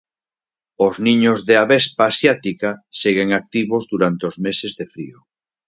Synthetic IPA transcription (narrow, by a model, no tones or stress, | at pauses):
oznĩɲozðeaβespaːsjat̪ikaseɣeŋak̚t̪iβozðuɾant̪eozmesezðefɾḭo